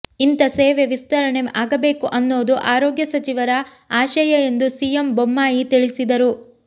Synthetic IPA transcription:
int̪ɐseːʋeʋist̪ɐɾɐɳemʔaːɡɐbe̞ːkuʔɐnːo̞ːd̪uʔaːɾoːɡjɐsɐt͡ʃiʋɐɾɐ | aːʃɐjɐe̞nd̪usijembomːaːjit̪iɭisid̪ɐɾu

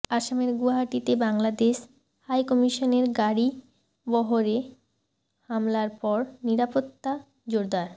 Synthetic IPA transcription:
aʃameɾɡuɦaʈit̪ebaŋlad̪eʃ | hajkɔmiʃoneɾɡaɾi | bɔɦoɾe | hamlaɾpɔɾniɾapot̪ːa | d͡ʑoɾd̪aɾ

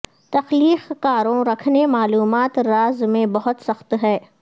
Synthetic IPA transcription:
t̪ɐxliːxkaːɾõɾɐkʰnemaːluːmaːt̪ɾaːzmẽbɐɦʊt̪sɐxt̪ɦɛː

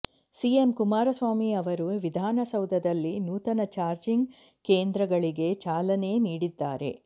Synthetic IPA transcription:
siemkumaːɾɐsʋaːmiɐʋɐɾuʋid̪ʱaːnɐsɐwd̪ʱɐd̪ɐlːinuːt̪ɐnɐt͡ʃaːɾd͡ʒiŋɡ | keːnd̪ɾɐɡɐɭiɡe̞t͡ʃaːlɐne̞niːɽid̪ːaːɾe̞̰

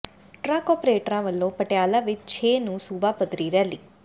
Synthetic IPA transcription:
ʈɾakɔːpɾeːʈɾãʋəlːõpəʈjaːlaʋɪd̪̚t͡ʃʰeːnũsuːbapəd̪ɾiɾɛɦli

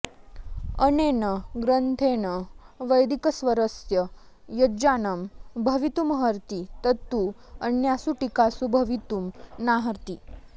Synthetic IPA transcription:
ənenəɡɾənt̪ʰenəʋəjd̪ikəsʋəɾəsjə | jɐd͡ʑanəmbʱəʋit̪umɦəɾt̪it̪ət̪ːu | ənjasuʈikasubʱɐʋit̪umnaɦəɾt̪i

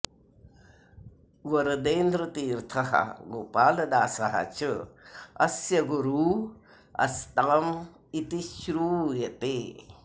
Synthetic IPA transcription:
ʋɐɾɐd̪eːnd̪ɾət̪iːɾt̪ʰɐɦɐ̰ɡoːpaːlɐd̪aːsɐɦɐ̰t͡ʃʰəɐ̰sjɐɡuɾuː | ɐ̰st̪aːm | it̪iʃɾuːjɐt̪eː

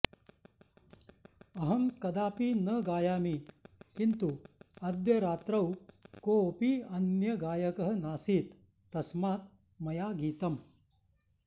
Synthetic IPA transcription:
ɐɦɐmkɐd̪aːpiːnɐɡaːjaːmiːkint̪uɐd̪jɐɾaːt̪ɾɐwkoːpiːɐnjɐɡaːjɐkɐɦɐnaːsiːt̪ː | ɐsmaːt̪̚ | mɐjaːɡiːt̪ɐm

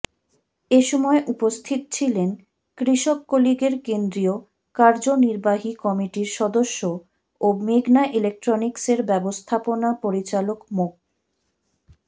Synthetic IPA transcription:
eʃɔmɔeʔupost̪ʰit̪t͡ɕʰilen | kɾiʃokːoliɡeɾkend̪ɾio | kaɾd͡ʑoniɾbaɦikɔmiʈiɾʃɔd̪oʃːo | omiɡnaʔilek̚ʈɾonikseɾbɛbost̪ʰaponapoɾit͡ɕalokmok̚

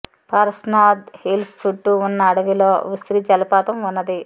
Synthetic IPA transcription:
pɐɾsnaːd̪hilst͡ʃuʈːuːnːɐːɽɐʋiloːʋusɾid͡ʒɐlɐpaːt̪ɐmunːɐd̪i

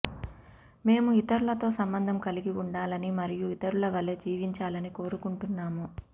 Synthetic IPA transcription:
me̞ːmuit̪ɐɾulɐt̪o̞ːsɐmbɐnd̪ʱɐmkɐliɡiuɳɖaːlɐnimɐɾijuit̪ɐɾulɐʋɐleːd͡ʒiːʋiɲt͡ʃaːlɐniko̞ːɾukuɳʈunːaːmu

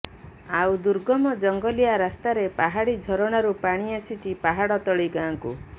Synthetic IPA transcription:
awd̪uɾɡɔmɔd͡ʒɔŋɡɔliaɾast̪aɾepaɦaɽid͡ʒʱɔɾɔɽ̃aɾupaɽ̃iasit̪ipaɦaɽɔt̪ɔɭiɡaːŋkṵ

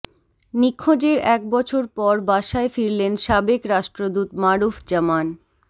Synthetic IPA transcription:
nikʰːod͡ʑeɾɛk̚bɔt͡ɕʰoɾpɔɾbaʃaefiɾlenʃabekɾaʃʈɾod̪ut̪maɾufd͡ʑaman

